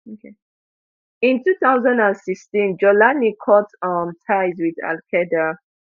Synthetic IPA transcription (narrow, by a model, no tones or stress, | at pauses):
okʰe | ĩntuθaʊzãndãnsikstĩnd͡ʒɔlanikʰɔtʌmtʰaɪzwiða̰lkʰɛda